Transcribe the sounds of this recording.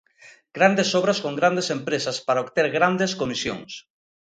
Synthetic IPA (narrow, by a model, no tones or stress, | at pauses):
ɡ̥ɾand̪esɔβɾaskoŋɡɾand̪esempɾesɐspaɾaoβt̪eɾɣɾand̪eskomisjo̰ŋs